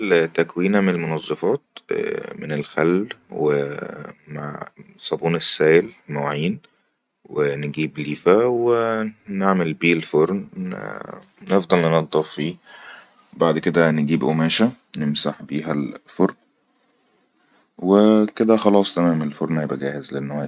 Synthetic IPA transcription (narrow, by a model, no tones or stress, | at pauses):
lt̪ækwiːnæmenelmonɑzˤːɑfɑːt̪̚menelxælːwe | ma̰ʕ | sˤɑbuːnesːæːjlmæwʕiːn | wenɡiːbliːfæweneʕmelbiːlfoɾˤn̰ | nefd̪ˤɑlnnɑd̪ˤːɑffiː | baʕd̪ked̪æneɡiːbʔomæːʃæ | nemsaħbiːɦælfoɾn | weked̪æxɑlɑːsˤt̪æmæːmelfoɾnhæjebʔæɡæːhezlenːæwæːj